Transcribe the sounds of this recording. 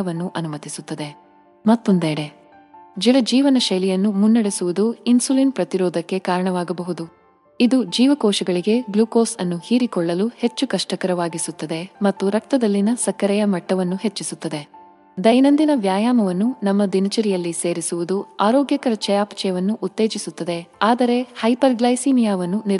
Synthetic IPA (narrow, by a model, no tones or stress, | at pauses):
ɐʋɐnːuʔɐnumɐt̪isut̪ːɐd̪e̞ | mɐt̪ːond̪eːɽe | d͡ʒilɐd͡ʒiːʋɐnɐʃɐjlijɐnːumunːɐɽesuʋud̪uinsuliːnpɾɐt̪iɾɔːd̪ʱɐkːe̞kaːɾɐɳɐʋaːɡɐbɐɦud̪u | id̪ud͡ʒiːʋɐkɔːʃɐɡɐɭiɡe̞ɡluːkoːsɐnːuhiːɾikɔɭːɐluhe̞t͡ʃːukɐʂʈɐkɐɾɐʋaːɡisut̪ːɐd̪e̞mɐt̪ːuɾɐk̚t̪ɐd̪ɐlːinɐsɐkːɐɾɛjɐmɐʈːɐʋɐnːuɦe̞t͡ʃːisut̪ːɐd̪e̞ | d̪ɐjnɐnd̪inɐʋjaːjaːmɐʋɐnːunɐmːɐd̪inɐt͡ʃɐɾijɐlːise̞ːɾisuʋud̪uaːɾoːɡjɐkɐɾɐt͡ʃɐjaːpɐ̥t͡ʃɛjɐʋɐnːuʔːt̪ːe̞ːd͡ʒisut̪ːɐd̪e̞aːd̪ɐɾe̞hɐjpɐɾɡlɐjsiːmijaːʋɐnːuni